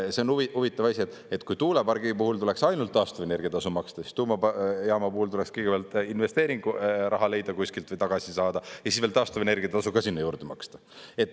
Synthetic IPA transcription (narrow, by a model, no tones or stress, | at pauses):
se̞onuiuvit̪ːˑɑvɑsʲiet̪ːˑ | et̪ːkujt̪uːlepɑrɡipuɦult̪ule̞ksɑjnult̪ːɑːst̪uve̞ne̞rɡ̥ijɑt̪ɑsumɑkst̪ɑsist̪uːmɑjɑːmɑpuhult̪ule̞kskijɡebjɑlt̪ˑinve̞st̪e̞ːɾiŋɡ̥urʔɑɦɑle̞jd̪̥ɑkusʲkilt̪vɤjt̪ɑɡ̥ɑsisɑːd̪̥ɑjɑsisvelt̪ɑːst̪uvene̞rɡiɑt̪ɑsuɡɑsinːejuːɾd̪̥emɑ̰kst̪ɑ | e̞t̪ːˑ